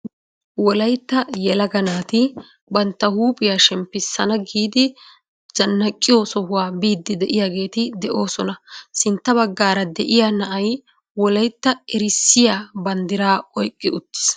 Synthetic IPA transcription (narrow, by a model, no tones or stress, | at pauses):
wɔlɐjt̪ːɐjɛlɐɡɐnaːt̪ɪ | bɐnt̪ːɐhuːpʼɪjaːʃɛmpːɪsːɐnɐɡiːd̪ɪ | d͡ʒɐnːɐkʼːɪjoːsɔhʊwaːbiːd̪ːɪd̪ɛʔɪjaːɡe̞ːt̪ɪd̪ɛʔo̞ːsɔnɐsɪnt̪ːɐβɐɡːaːɾɐd̪ɛʔɪjaːnɐʔɐj | wɔlɐjt̪ːɐɪɾɪsːɪjaːbɐnd̪ɪɾaːɔjkʼːɪʊt̪ːɪ̥s